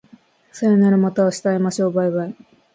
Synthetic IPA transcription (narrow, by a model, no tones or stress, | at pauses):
saenaɾɯmat̪aoɕi̥t̪aemaɕo̞ːbaiβai